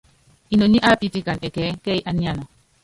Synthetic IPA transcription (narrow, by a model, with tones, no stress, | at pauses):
i˨no˨ɲi˦ʔa˦pi˨ti˦ka˨nɛ˨kɛ˨˦kɛ˦i˦ʔa˨nja˦nɔ˨